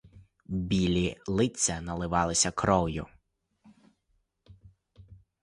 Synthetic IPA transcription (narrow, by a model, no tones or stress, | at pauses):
bʲilʲilˠɪt͡sʲːɐnɐlˠɪʋɑlˠɪsʲɐkɾɔwjʊ̰